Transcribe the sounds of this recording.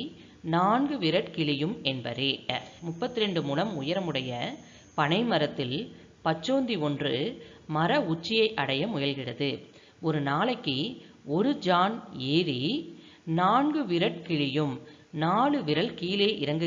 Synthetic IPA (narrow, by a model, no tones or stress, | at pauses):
naːnɡɯʋɪɾɐʈkɪɭɪjɯmɛnbɐ̰ɾemʊpːɐt̪ːɪɾɛɳɖɯmʊlɐmʊjɐɾɐmɯɽɐjɐ | pɐɳɐɪmɐɾɐt̪ːɪl | pɐt͡ʃːoːnd̪iɔndrɯ | mɐɾɐʊt͡ʃːɪjɐɪʔɐɽɐjɐmʊjɐlɣɪɽɐðɯ | ɔɾɯnaːɭɐkːiɔɾɯd͡ʒaːneːɾi | naːnɡɯʋɪɾɐʈ̚kɪɭɪjɯm | naːɭɯʋɪɾɐɭkiːleːʔɪɾɐŋɡɯ